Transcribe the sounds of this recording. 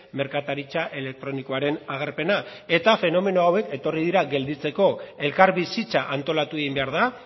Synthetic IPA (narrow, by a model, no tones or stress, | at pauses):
me̞ɾkat̪aɾit͡ʃaʔe̞le̞k̚t̪ɾo̞niko̞aɾe̞naɣ̞aɾpe̞nae̞t̪afe̞no̞me̞noawe̞ke̞t̪o̞rið̞iɾaɡe̞ld̪it͡se̞ko̞e̞lkaɾβisit͡saʔant̪o̞lat̪ueɣimbe̞aɾða